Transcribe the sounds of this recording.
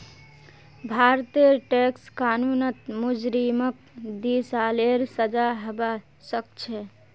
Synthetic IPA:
bʱaɾt̪iəʈekskanunət̪mud͡ʒɾimək̚ | d̪isaleɾsəd͡ʒaɦəba | sək̚t͡ʃʰɛ

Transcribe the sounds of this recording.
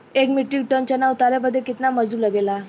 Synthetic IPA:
ekmiʈiɡ̚ʈənt͡ɕənaut̪aɾaməd̪ʱːekit̪naməd͡zuːlaɡela

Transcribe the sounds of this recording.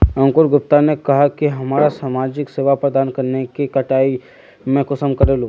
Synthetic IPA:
ɐ̃ŋkʊɾɡʊp̚t̪anekɐɦakiɦɐmaːɾasaːmaːd͡ʒɪkseːʋapɾəd̪aːnkɐɾnekikɐʈaːi | mẽkʊsəmkɐɾeːlũ

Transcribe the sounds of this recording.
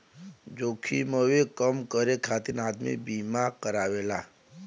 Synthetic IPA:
d͡ʒoːkʰiməwekəmkəɾekʰaːt̪ɪnaːd̪mḭbiːmakəɾaːweːlaː

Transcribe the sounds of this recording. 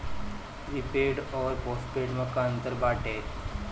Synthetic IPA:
ɾipeɖɔːɾposʈpeɖməkaənt̪əɾbaʈe

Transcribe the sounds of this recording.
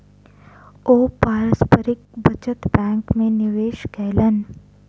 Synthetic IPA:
oːpaːɾəspəɾɪk̚bɐt͡ʃət̪bɛ̃ːŋkmẽnɪʋeːʃkɛːlən

